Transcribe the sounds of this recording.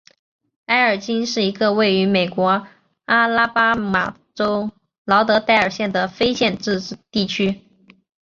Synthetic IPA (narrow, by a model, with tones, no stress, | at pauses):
a˥ɪə˞˨˩t͡ɕi˥nʂɻ̩˥˩i˧˥ɡə˧we˥˩ɪy˧˥me˨˩ɪkwɔ˧˥ | a˥la˥pa˥ma̰˨˩ | ʈ͡ʂo˥ʊ | lɑ˧˥ʊt̪ɤ˧˥t̪a˥˩˧ɪə˞˨˩ɕjɛ˥˩nd̪ə˩fe˥ɪɕjɛ˥˧nʈ͡ʂɻ̩˥˧˥t̪i˥˩t͡ɕʰy˥